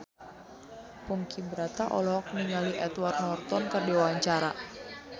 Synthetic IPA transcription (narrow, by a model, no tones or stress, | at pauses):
puŋkʰibəɾat̪aʔɔ̰lɔk̚niŋaliʔɛt̪wart̪nɔrt̪ɔnkərdiwawaɲt͡ʃaɾa